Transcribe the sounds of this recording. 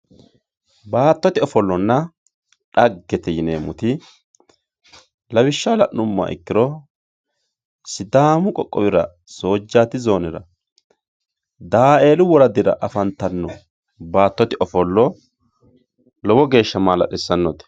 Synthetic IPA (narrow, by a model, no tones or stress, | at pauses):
baːt̪ːɔt̪ɪɔfɔlːɔnːɐ | ᶑɐɡːɛt̪ɛjɪnḛːmʊt̪ɪ | lɐwɪʃːalɐʔʊmːa̰ːʔɪ̰kːɪɾɔ | sɪd̪aːmʊkʼɔkʼːɔwɪɾɐ̰ | so̞ːd͡ʒːaːt̪ɪzo̞ːnɪɾɐ̰ | d̪aːe̞ːlʊwɔɾɐd̪ɪɾɐ̰ʔɐfɐnt̪ːɐnːɔ | baːt̪ːɔt̪ɪʔɔfɔlːɔ | lɔwɔɡe̞ːʃːɐmaːlɐ̰ɗɛsːɐnːɔt̪ɛ̥